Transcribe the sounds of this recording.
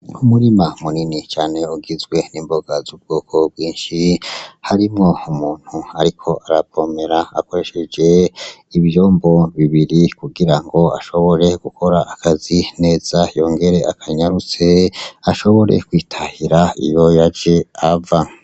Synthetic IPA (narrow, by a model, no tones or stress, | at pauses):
umuɾimamuninit͡ʃaːne̞uɡizɡwe̞niːmbo̞ɡazub̚ɡoːkʰo̞b̚ɡwiːnʃihaɾimŋo̞umuːn̥huaɾikʰo̞ʔaɾavo̞me̞ɾaa̰ko̞ɾe̞ʃe̞d͡ʒe̞iβjo̞ːmbo̞βiβiɾikuɡiɾaŋɡo̞aʃo̞βo̞ɾe̞ɡ̥ukʰo̞ɾaːkazine̞ːz̥ajo̞ːŋɡe̞ɾe̞ʔakʰaɲaɾut͡se̞aʃo̞βo̞ɾḛkwiːtʰahiɾaḭjo̞jad͡ʒe̞ava